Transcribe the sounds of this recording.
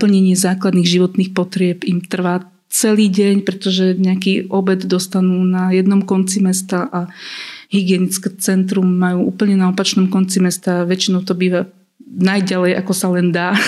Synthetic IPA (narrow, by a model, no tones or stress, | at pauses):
pl̩ɲɛɲɪɛzaːklad̪niːɣʒiʋɔt̪niːxpɔt̪ɾɪɛbimt̪r̩ʋaː | t͡sɛliːɟɛɲpɾɛt̪ɔʒɛɲɛakiːʔɔbɛd̪d̪ɔst̪anuːnajɛd̪nɔmkɔnt͡simɛst̪aʔaɦiɡɪɛnit͡skɛt͡sɛnt̪̬ɾumːajuːʔuːpl̩ɲɛnaɔpat͡ʃnɔmkɔnt͡simɛst̪aʋɛt͡ʃinɔʊt̪ɔbiːʋa | najɟalɛjʔa̰kɔsalɛnd̪aː